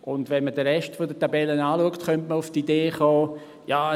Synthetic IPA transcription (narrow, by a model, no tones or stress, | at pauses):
ʔʊndvɛnmədəɾɛʃtfodətabɛlənaːluəktχœntməʊftideːχɔː | jaː